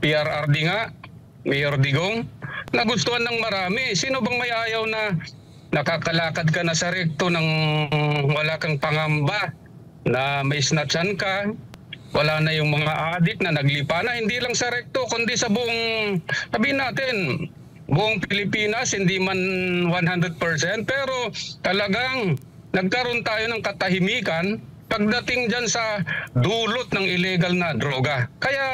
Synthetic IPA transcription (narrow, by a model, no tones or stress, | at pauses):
piʔɐɾʔaɾd̪ɪŋaʔ | mɛjoɾd̪ɪɡoŋnɐɡʊst̪ʊhanːɐŋmɐɾaːmɪsiːnobɐŋmɐjʔaːjawnɐ | nɐkaːkɐlaːkɐd̪̚kɐnɐsɐɾɛk̚t̪onɐŋ | wɐlaːkɐŋpɐŋamba | nɐmɐjsnɐt͡ʃanka | wʔɐlaːnɐjʊŋmɐŋaʔaːd̪ɪk̚nɐnɐɡlɪpaːnɐhɪnd̪ilɐŋsɐɾɛk̚t̪okʊnd̪isɐbʊʔoŋsɐbiːhɪnːaːt̪ɪn | bʊʔoŋpɪlɪpiːnɐshɪnd̪imanwanhand̪ɾɛd̪̚pɛɹsɛnt̪̚pɛːɾo̞t̪ɐlɐɡaŋ | nɐɡ̚kɐɾont̪aːjo̞nɐŋkɐt̪ɐhɪmiːkɐn | pɐɡ̚d̪ɐt̪ɪŋd͡ʒansɐd̪uːlot̪̚nɐŋʔɪlɛɡɐlnɐd̪ɾoːɡakɐjaʔ